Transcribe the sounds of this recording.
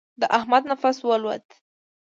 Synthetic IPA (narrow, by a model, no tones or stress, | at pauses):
d̪əʔahmad̪̚nafaswalwa̰t̪